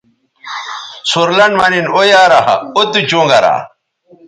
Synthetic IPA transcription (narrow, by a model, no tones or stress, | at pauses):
suɾlɐnɖmaninojaːɾahɐ̰ot̪ut͡ɕoːŋɡɐɾa̰